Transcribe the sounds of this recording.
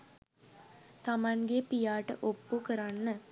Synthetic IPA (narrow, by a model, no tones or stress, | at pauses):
t̪amaŋɡepijaːʈəʔopːukəɾanːə